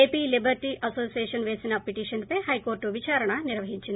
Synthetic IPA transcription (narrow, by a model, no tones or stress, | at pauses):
eːpilibɐɾʈiʔʔɐsoːsijeːʂɐnʋeːsinɐpːiʈiːʂɐnpehɐjkoːɾʈuʋit͡ʃaːɾɐɳɐniɾʋɐɦiɲt͡ʃːin